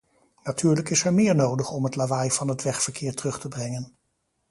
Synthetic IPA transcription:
natʰyːɹləkɪsɛɹmɪːɹnowdəχɔmɦətlavajv̥ɑnɦətʋɛχfəɹkɪːɹtərɵχtəbrɛŋən

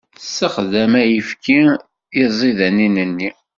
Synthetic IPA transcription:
sːəχðæmæjəfki | ɪzˤiðæninənːi

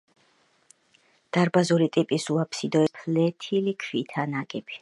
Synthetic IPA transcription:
d̪̥aɾbazuɾit̪ʼipʼisuapʰsid̪ɔɛpʰlɛt̪ʰilikʰwit̪ʰanakʼɛbi

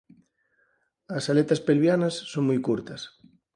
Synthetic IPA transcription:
ɐsalet̪ɐspelβjanɐsːoŋmojkuɾt̪ɐs

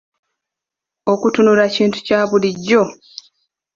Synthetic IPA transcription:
o̞kutunuɾaciːntu̥caːβuliɟːo̞

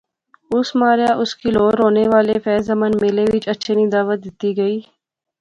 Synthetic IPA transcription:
ʊsmaːɾjaʔʊskiloːɾɦoːneʋaːlefɛːzɐmənmeːleʋɪt͡ʃɐtːʃʰenĩːd̪aːʋət̪̚d̪ɪt̪iɡɐiː

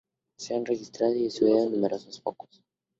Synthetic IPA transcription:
seanrexist̪ɾaðoiesuβeonːumeɾʔosospokos

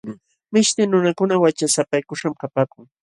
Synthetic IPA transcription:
mɪʃt̪ɪŋnʊnakʊnawat͡ʃasapajkʊʂamkapaːkʊŋ

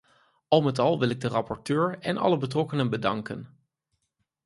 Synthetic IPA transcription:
ɑlˠmɛtɑlˠʋɪlɪɡ̚dərɑpɔɹtøːɹɛnʔɑ̰ləbətrɔkənənbədɑŋkə̰n

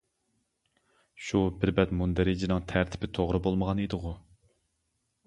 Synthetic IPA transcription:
ʃubɪɾbɛt̪mund̪ɛɾɪd͡ʒɪnɨŋt̪ʰæɾt̪ʰɪ̥pʰɪt̪ʰoʁɾɨbolˠməʁɑned̪ɨʁʊ

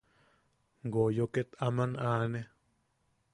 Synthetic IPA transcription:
ŋɡojoket̪amãnʔãːne

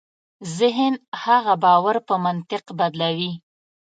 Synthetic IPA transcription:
zɪɦənhaɣabɑwaɾpəmant̪ɪqbad̪lawi

